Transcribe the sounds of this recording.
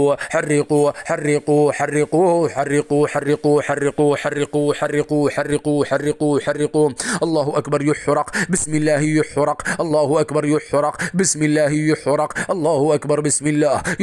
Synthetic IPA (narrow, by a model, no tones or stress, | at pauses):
ħarːɪqʊħɑrːɪquħarːɪqujʊħarːɪquħarːɪquħarːɪquħarːɪquħarːɪquħarːɪquħarːɪqujʊħɑrːɪquːʔɑlˤːɑːhʊʔakbɑɾˤjʊħɾɑqbɪsmɪlːaːhjʊħɾˤɑqʔɑlˤːɑːhʊʔakbɑɾˤjʊħɾˤɑqbɪsmɪlːaːhjʊħɾˤɑqʔɑlˤːɑːhʊʔakbɑɾˤbɪsmɪlːaːhj